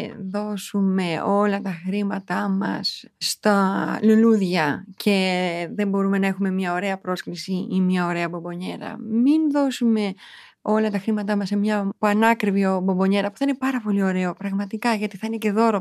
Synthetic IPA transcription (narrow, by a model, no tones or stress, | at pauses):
ðo̞sume̞o̞lɐt̪ɐxɾimɐt̪ɐmɐ̰sst̪ɐluluðʝɐcʰe̞ðe̞mbo̞ɾume̞nɐe̞xume̞mɲɐo̞ɾe̞ɐpɾo̞sklisiimɲɐo̞ɾe̞ɐbo̞mbo̞ɲe̞ɾɐ̰minðo̞sume̞ | o̞lɐt̪ɐxɾimɐt̪ɐmɐsemɲɐpuɐnɐkɾivio̞bo̞mbo̞ɲe̞ɾɐpu̥θɐine̞pɐɾɐpo̞lio̞ɾe̞o̞pɾɐɣmɐt̪ikɐʝɐt̪iθɐinece̞ðo̞ɾo